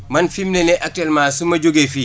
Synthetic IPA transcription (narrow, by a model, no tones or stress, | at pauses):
mɐnfimnenɛʔak̚tɛːlmasumɐɟoɡefi